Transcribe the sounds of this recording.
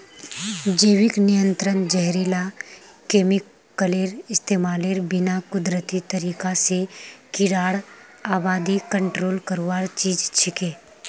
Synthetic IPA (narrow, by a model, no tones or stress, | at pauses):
d͡ʒeːwɪknijə̃nt̪ɾənd͡ʒɛɦɾilakeːmɪkː | əleːɾɪst̪eːmaːleːɾbɪnakʊd̪ɾət̪it̪əɾiːkasekɪɽaːɽ | aːbaːd̪ikə̃ɳʈɾoːlkəɾwaːɾt͡ʃiːd͡ʒt͡ʃʰɪkeː